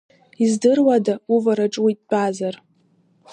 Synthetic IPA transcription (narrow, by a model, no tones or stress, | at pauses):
izdɨrwadauvaɾaʈ͡ʂʼwitʼt͡pʼazar